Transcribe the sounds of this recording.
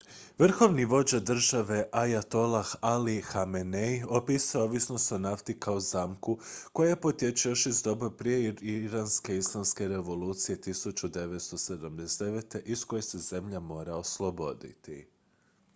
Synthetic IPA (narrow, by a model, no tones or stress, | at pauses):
ʋr̩xo̞ʋniʋo̞d͡ʑad̪r̩ʒaʋe̞ʔajat̪o̞laxalixamenejopisoʋisnost̪onaft̪ikaozamkuko̞jajepo̞t̪je̞t͡ʃujo̞ʃizd̪o̞bopɾije̞iɾanske̞islˠamske̞ɾe̞ʋo̞luːt̪sije̞t̪isut͡ʃud̪e̞ʋet̪st̪o̞se̞d̪amd̪esd̪eʋet̪e̞ʔisko̞je̞se̞ze̞mʎamo̞ːɾaoslˠo̞bo̞d̪ḭt̪ḭ